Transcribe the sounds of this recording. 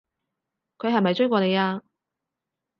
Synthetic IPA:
kʰɵ˨˧ɥɦɐ˨jmɐ˨jt͡ʃjkʷɔː˧ne˨˧jaː˧

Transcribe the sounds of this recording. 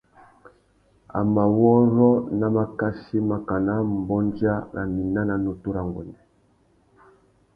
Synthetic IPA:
a̰˨ma˨wɔ˦ɾɔ˦na˨ma˦ka˦si˦ma˨ka˨na˦m̩˨bɔ˦nd͡ʒa˦nʔa̰˨mi˨na˦na˨nu˨tu˦ɾa˨ŋɡɔ̰˨ndɛ˨

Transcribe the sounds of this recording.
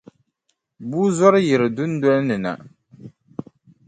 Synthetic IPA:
buː˦zɔ˦ɾɨ˦jɪ˨ɾɨ˨du˦n˦dɔ˦ʔnɨ˨na̰˨

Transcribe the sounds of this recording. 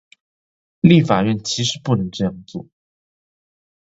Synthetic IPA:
li˥˩fa˨˩ɥɛ˥˩nt͡ɕʰi˧˥ʂɻ̩˧˥pu˥˩nɤ˧˥ŋʈ͡ʂɤ˥˧jɑ˥˩ŋt͡swɔ˥˩

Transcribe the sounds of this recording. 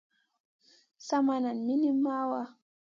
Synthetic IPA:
sa˦ma˨na˨nmi˦ni˦mːa˦wa˦

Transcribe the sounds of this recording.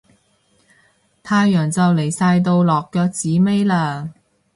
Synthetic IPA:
t̪ʰaː˧jːœː˨˩ŋt͡sɐ˨wle˨˩jsaː˧jt̪̬o˧wlɔː˨˩kːœː˧k̚t͡siː˨˥me˥jlaː˧

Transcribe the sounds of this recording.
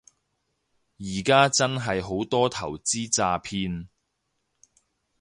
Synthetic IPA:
jiː˨˩kaː˥t͡sɐ˥nɦɐ˨jɦo˨˥wt̪ɔː˥t̪ʰɐ̰˨˩wt͡siː˥t͡saː˧pʰiː˧n

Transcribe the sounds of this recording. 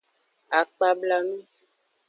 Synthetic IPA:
a˨k͡pa˦bla˦nũ˦

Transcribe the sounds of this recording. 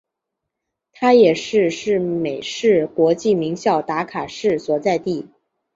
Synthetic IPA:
t̪ʰa˥jɛ˨˩ʂɻ̩˥˧ʂɻ̩˥˩me˨˩ɪʂɻ̩˥˩kwɔ˧˥t͡ɕi˥˩mi˧˥ŋɕjɑ˥˩ʊt̪a˧˥kʰa˨˩ʂɻ̩˥˩swɔ˨˩t͡sa˥˧ɪt̪i˥˩

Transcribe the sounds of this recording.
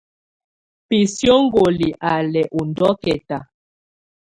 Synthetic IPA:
pi˨sjo˦ŋ˦ɡo˨li˨ʔa˨lɛ˨ʔu˨ndɔ˦kɛ˨ta˨

